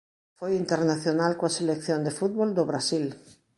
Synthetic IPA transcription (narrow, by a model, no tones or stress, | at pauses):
fojint̪eɾnaθjonalkoaselekθjõnd̪efut̪̚βold̪oβɾasil